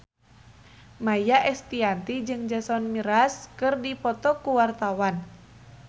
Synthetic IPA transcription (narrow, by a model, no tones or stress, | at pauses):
majaʔɛst̪iant̪id͡ʒɨŋd͡ʒasɔnmiɾaskɨrdipɔt̪ɔkuwart̪awan